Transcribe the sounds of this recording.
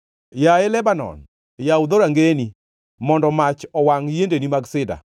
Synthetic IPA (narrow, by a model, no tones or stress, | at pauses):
jaɛlɛbanɔ̰n | jaud̪oɾaŋɡeni | mɔndɔmat͡ʃɔwaŋjendenimaɡsɪda̰